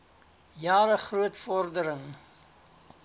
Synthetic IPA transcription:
jɑːɾəχruətfɔrdəɾəŋ

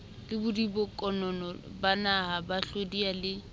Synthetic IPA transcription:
lɪbʊdibʊkʼɔnɔnɔbanaɦabaɬodialɪ

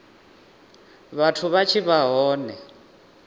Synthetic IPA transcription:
βatʰuβat͡ʃʰiβaɦɔːnɛ

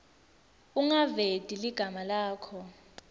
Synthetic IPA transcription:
uŋaved̥ʱʼiliɡ̥ʱamalaːkʰɔ

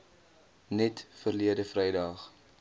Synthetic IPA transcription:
nɛtfərliədəfrɛjdɐχ

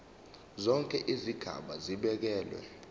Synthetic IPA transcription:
zɔŋkʼɛʔiziɡ̥ʱa̰ɓaziɓɛk̬ɛːlwɛ̰

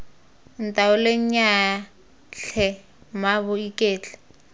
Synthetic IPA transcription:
n̩tʼaʊleɲɲa | ɬʰɛ | mabʊikʼeːt͡ɬɛ̥

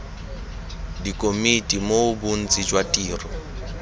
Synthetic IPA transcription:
dikʼomitʼimoʊbun̩t͡sʼid͡ʒwatʼiːrɔ

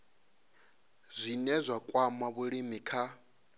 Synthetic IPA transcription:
zʷinɛzʷakʼwamaβuɺimikʰa

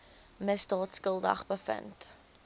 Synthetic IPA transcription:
məsdɑːtskəlˠdɐ̰χbəfə̰nt

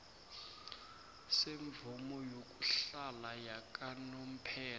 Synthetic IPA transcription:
seɱvumɔjok̬ʼuɬalajak̬ʼanom̩pʰɛːla

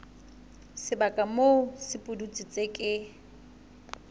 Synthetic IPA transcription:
sɪbakʼamosɪpʼʊdut͡sʼit͡sʼekʼɪ

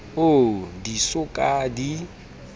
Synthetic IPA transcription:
odisʊkʼadi

